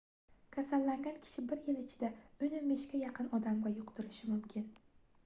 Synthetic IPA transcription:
kʲʰasalːaŋɡʲankʲʰɪ̥ʃɪbɪɾjɪlɪt͡ʃʰɪ̥d̪aɵnɪmeʃkʲajɑqʰɨnɒd̪amɡʲajʊqt̪ʊɾɪʃɪmʊmkʲʰɪn

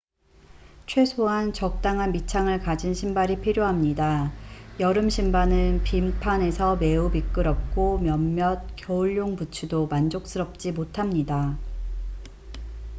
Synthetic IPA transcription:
t͡ɕʰwe̞sʰoɦant͡ɕʌk̚t͈aŋɦanmit͡ɕʰaŋɯɭkad͡ʑinɕʰimbaɾipʰiɾjoɦamɲidajʌɾɯmɕʰimbanɯnpimpʰane̞sʰʌme̞ubik͈ɯɾʌp̚k͈omjʌmːjʌt̚kjʌuɭːjoŋput͡ɕʰudomand͡ʑok̚s͈ɯɾʌp̚t͡ɕ͈imotʰamɲida

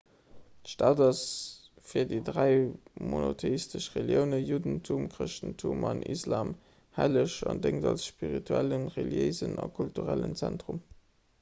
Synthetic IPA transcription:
tʃtaːdɑs | fiːɐdidʁæɪmonotʰeistəʃʁeljəʊnəjudntʰumkʁəʃtn̩tʰumɑnʔḭslaːm | hæləʃɑndeŋtɑlsʃpiʁitʰuælənʁeljeɪzənɑkʰultuʁælənt͡sæntʁum

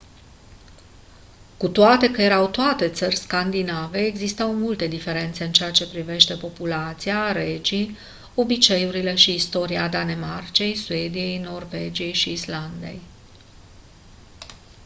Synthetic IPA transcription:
kut̪oat̪e̞kəje̞ɾawt̪oat̪e̞t̪sərʲskand̪inave̞ːɡzist̪awmult̪e̞d̪ife̞ɾe̞nt̪se̞ɨnt͡ʃe̞at͡ʃe̞pɾive̞ʃt̪e̞po̞pulat̪siaɾe̞d͡ʒi | o̞bit͡ʃe̞juɾile̞ʃiːst̪o̞ɾiad̪ane̞mart͡ʃe̞jsue̞d̪ije̞jno̞rve̞d͡ʒije̞jʃiːsland̪e̞̰j

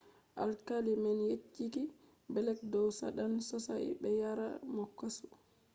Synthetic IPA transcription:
ʔalkalimɛnjet͡ʃːiki | bɛlɛk̚dɔwsa̰ɗansɔsa̰bɛjaɾa̰mɔkːasu̥

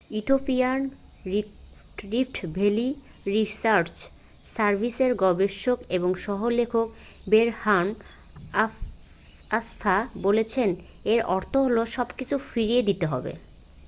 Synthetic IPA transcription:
jut̪ʰopian | ɾifʈbʱeli | ɾisaɾt͡ɕ | saɾbʱiseɾɡɔbeʃːokeboŋʃɔɦolekʰok̚ | beɾhan | ast̪ʰabolet͡ɕʰen | eɾɔɾt̪ʰoɦoloʃɔbkit͡ɕʰufiɾied̪it̪eɦɔ̰bḛ

